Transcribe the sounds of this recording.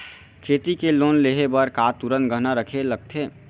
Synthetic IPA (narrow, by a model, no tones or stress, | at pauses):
kʰeːt̪ikeloːnleɦebəɾkaːt̪uɾə̃nt̪̚ɡəɦnaɾəkʰeləɡ̚t̪ʰeː